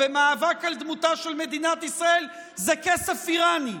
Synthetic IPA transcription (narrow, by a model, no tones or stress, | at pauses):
emaːvakald̪mut̪aʃelme̞d̪inat̪isʁae̞l | zekesefiʁani